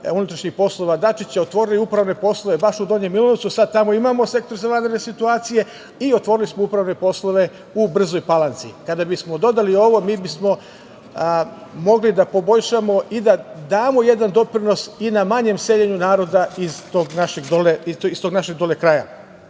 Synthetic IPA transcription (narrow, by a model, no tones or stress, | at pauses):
unut̪ɾaʃɲixpo̞slˠo̞ʋad̪at͡ʃit͡ɕaot̪ʋo̞ːɾiliupɾaʋne̞po̞slˠo̞ʋe̞baʃud̪oɲemːilˠonotsusad̪̚t̪amo̞imaːmo̞se̞kt̪oɾzaʋand̪ɾenesit̪uaːt̪sije̞ | io̞t̪ʋo̞ːɾilismoupɾaʋne̞po̞slˠo̞ʋe̞ | ubr̩zo̞jpalˠant̪sḭkad̪abismo̞d̪o̞d̪alio̞ʋo̞miːbismo̞ | mo̞ɡlid̪apo̞bo̞ʎʃamo̞ʔid̪ad̪aːmo̞je̞d̪and̪o̞pɾino̞sinamaɲemse̞ʎeɲunaːɾo̞d̪aizt̪oɡnaʃeɡd̪oleist̪o̞ɡnaʃeɡ̚d̪o̞lekɾaja̰